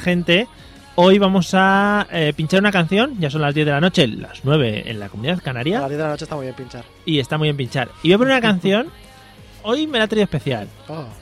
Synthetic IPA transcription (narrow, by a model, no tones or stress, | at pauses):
xe̞nt̪e̞ | o̞jβamo̞saepint͡ʃaɾunakanθjo̞nʝas̬o̞nlazðje̞ðeano̞t͡ʃe̞la̰znwe̞βe̞̰ḛnla̰ko̞mũniðaðkanaɾjazðeðelanot͡ʃest̪amwuiβjempint͡ʃaɾ | ie̞st̪amuijβe̞mp̬int͡ʃaɾiβeβunakan̟θjo̞n | o̞jme̞lat̪ɾioespe̞θja̰lo